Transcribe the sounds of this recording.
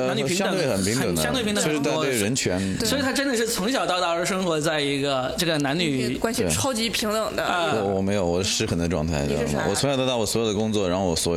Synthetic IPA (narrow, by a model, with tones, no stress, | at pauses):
a˧˥ny˩i˧˥jɑ˥˩t̪w̪e˥˩xə˨˩npʰi˧˥ŋt̪ɤ˨˩nd̪ə̃˥ŋ˥˩pi˧˥t̪ə˥˩˥ʂ̩˥˧t̪̬twe˥˩ɻə˧˥nt͡ɕʰɥɛ˧˥n | swɔ˧˥i˨˩t̪ʰa˥ʈ͡ʂə˥nd̪ə˨˩ʂɻ̩˥˩t͡sʰʊ˧˥ŋɕ̬jɑ˨˩ʊt̪ɑ˥˧ʊt̪ɑ˥˩ə˧˥ʂ̬ɤ˥ŋxwɔ˧˥t͡sa˥˩ɪi˧˥ɡə˧ʈ͡ʂɤ˥˩ɡə˩na˧˥nny˨˩ | kwa˥nɕi˥˩ɑ˥ʊt͡ɕi˧˥pʰi˧˥ŋə˨˩d̪ə˦˧ɔ˧˨˩wɔ˨˩me˧˥ɪjo˧˩ʊwɔ˨˩ʂɻ̩˥˩xə˧˥nd̪ə˧ʈ͡ʂwɑ˥˧ŋt̪ʰa̰˥˧˩ɪʈ͡ʂjɑ̰˥˧˥ə̰˩wɔ˨˩t͡sʰʊ˧˥ŋjt̪ːt̪ɑ˥˩wɔ˩swɔ˧˥jd̪ə˧kʊ˥ŋt͡swɔ˥˩˧ɻxo˧˩wɔ˨˩swɔ˧˥